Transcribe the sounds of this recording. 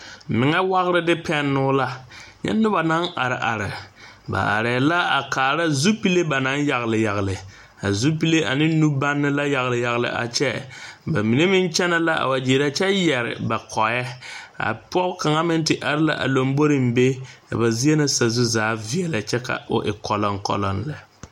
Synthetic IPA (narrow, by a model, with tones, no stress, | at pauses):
mɪ˨ŋɛ˦wa˦ɣɾɪ˦dɪ˦pʰɛ˦nːʊ˦la˦ɲɛ̰˦nːʊ˦ba˨na˦ŋa˨ɾɪ˨ʔa˨ɾɪ̰˨ | ba̰˨ʔa˨ɾɛ˨la˦a˨kaː˨la˦zu˦pi˦le˦ba˨na˦nja˨ɣlɪ˨ja˨ɣlɪ˨ | a˨zu˦pi˦le˦ʔa˨nɪ˦nu˦ba˦nːɪ˦la˦ja˨ɣlɪ˨ja˨ɣlɪ̰˨ʔa̰˨t͡ʃɛ˦ba˨mi˨ne˦mɪ˦nt͡ʃɛ˦na˦la˦ʔa̰˨wa˨d͡ʒeː˨ɾa˦t͡ʃɛ˦jɛ˨ɾɪ̰˨ba˨kʰɔ˨˦ɛ˦a̰˨pɔ˦ka˨ŋa˦mɪ˦ntɪ˨ʔa˨ɾɪ˦la̰˦ʔa̰˨lo˨mbo˦ɾɪ˨m˦be˦ka̰˨ba˨zi˦e˦na˦sa˨zu˦zaː˨˦vi˦ɛ˨la˨t͡ʃɛ˦ka̰˨ʔʊ̰˨ʔɪ̰˨kɔ˨lɔ˨ŋkɔ̰˨lɔ˨nlɪ˨